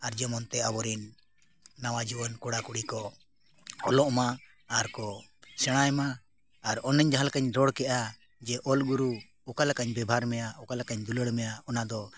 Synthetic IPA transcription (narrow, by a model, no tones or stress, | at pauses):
aɾd͡ʒəmɔnt̪ɛabɔɾinː | awad͡ʒibɔnkuɽakuɽikɔ | ɔlɔʔmaː | ɾkɔsɛɽ̃ajmaː | ɾɔnɛɲd͡ʒaɦalkaɲɾɔɽkɛʔa | d͡ʒɛʔɔlɡuɾu | ɔkalakaɲbɛbʱaɾmɛjaɔkalakaɲd̪uləɽmɛjaɔnad̪ɔ